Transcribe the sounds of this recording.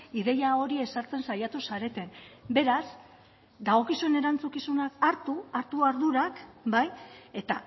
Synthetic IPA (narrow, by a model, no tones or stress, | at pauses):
iðe̞jao̞ɾie̞saɾt͡se̞nsajat̪usaɾe̞t̪e̞nbe̞ɾas | d̪aɣo̞kisue̞ne̞ɾant͡sukisunakaɾt̪uaɾt̪uaɾðuɾakbaje̞t̪a